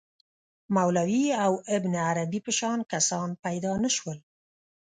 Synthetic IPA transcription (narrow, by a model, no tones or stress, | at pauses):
mawlawiawɪbnaɾabipəʃɑnkasɑnpajd̪ɑnəʃwəl